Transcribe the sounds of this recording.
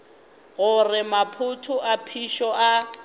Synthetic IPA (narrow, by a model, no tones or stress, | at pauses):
ɣʊrɪmapʰʊtʰʊʔapʰiʃɔʔa